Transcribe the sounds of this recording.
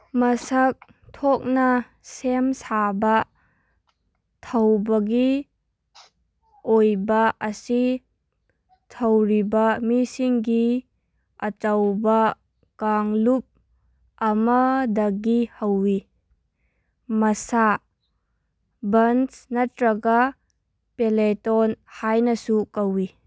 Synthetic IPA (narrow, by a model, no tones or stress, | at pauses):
mɐsak̚ | tʰok̚nɐ | semsabɐ | tʰɐwbɐɡi | ojbɐɐsi | tʰɐwɾibɐmisiŋɡi | ɐt͡ʃawbɐ | kaŋlup̚ | ɐmɐdɐɡihawːi | mɐsa | bɐnsnɐtɾɐɡa | peletɔnhajnɐsukawi